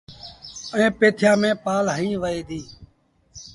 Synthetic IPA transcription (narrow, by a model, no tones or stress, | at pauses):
əẽːpeːt̪ʰjãːmẽːpaːlɦəĩːʋəeːd̪iː